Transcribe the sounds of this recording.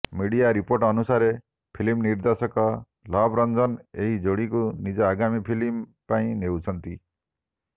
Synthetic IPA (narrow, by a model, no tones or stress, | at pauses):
miɽijaɾipoɾʈɔnusaɾe | pʰilimniɾd̪ɔsɔkɔ | lɔbʱɾɔnd͡ʒɔneɦid͡ʒoɽikunid͡ʒɔːɡamipʰilimpaĩnewt͡ʃʰɔnt̪i